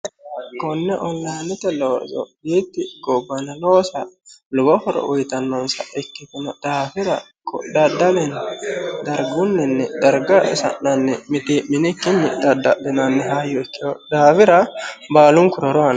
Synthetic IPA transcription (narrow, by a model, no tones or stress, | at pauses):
kɔnːɛʔɔnlajnɪt̪ɛloːzɔ̰biːt̪ːɪɡɔbːɐnɐloːsɐlʊbɔfɔɾɔ̰ʔʊjt̪ɐnːɔnsɐ̰ɛkːɪt̪ɪnɐd̪̥aːfɪɾɐ | kɔ̰d̪ɐd̪ɐlɛnd̪ɐɾɡʊnːɛnːɛd̪ɐɾɡɐsɐ̰nnɐnːɛmɪt̪imɪnɪkːɪnːɛd̪ɐd̪ːɐɗɛnɐnːɛɦaːjɔɪkːɪjɔd̪aːfɪɾɐbaːlʊŋkʊɾɔɾɔɐnɐ